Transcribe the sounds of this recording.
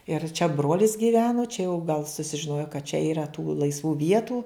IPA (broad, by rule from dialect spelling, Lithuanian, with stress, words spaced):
ɪr t͡ʃʲɛ ˈbroːlʲɪs ɡʲɪˈʋʲæːnoː t͡ʃʲɛ jɛʊ ɡɐlˠ sʊsʲɪʒʲɪˈnoːjoː kɐt t͡ʃʲɛ iːˈrɐ tuː lˠɐɪsˈʋuː ˈʋʲiɛtuː